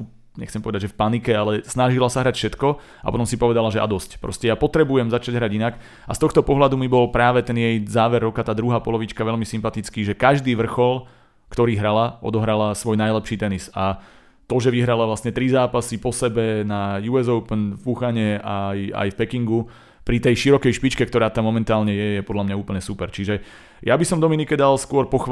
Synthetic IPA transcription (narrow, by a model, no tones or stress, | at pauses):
u | ɲɛ̰xt͡sɛmpɔʋɛd̪aɟʒɛfpanikɛalɛsnaʒilasaɦɾacfʃɛt̪kɔ | apɔ̰t̪ɔmsipɔʋɛd̪alaʒɛʔa̰d̪ɔscpɾɔ̰scɛjapɔt̪ɾɛbujɛmzat͡ʃaɟɦɾaɟinak | ast̪ɔxt̪ɔpɔɦlad̪umibɔlpɾaːʋɛt̪ɛnjɛjzaːʋɛɾːɔkat̪aːd̪ɾuɦaːpɔlɔʋit͡ʃkaʋɛʎmisimpat̪it͡skiːʒɛkaʒd̪iːʋr̩xɔl | kt̪ɔɾiːɦɾalaʔɔ̰d̪ɔɦɾalasʋɔjnajlɛpʃiːt̪ɛnisa | t̪ɔʒɛʋiɦɾalaʋlast̪ɲɛt̪ɾizaːpasipɔsɛbɛnajuɛzɔʊpnfpuxaɲɛaja̰jfpɛkiŋɡu | pɾit̪ɛjʃiɾɔkɛjʃpit͡ʃkɛk̚t̪ɔɾaːt̪amːɔmɛnt̪aːlɲɛjɛjɛpɔd̪lamɲauːpl̩ɲɛsupɛɾt͡ʃiʒɛ | jabisɔmd̪ɔminikɛd̪alskʊɔɾpɔx